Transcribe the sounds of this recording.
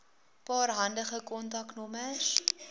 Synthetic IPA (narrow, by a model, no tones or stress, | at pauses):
pɑːrɦɐndəχəkɔntɐknɔməs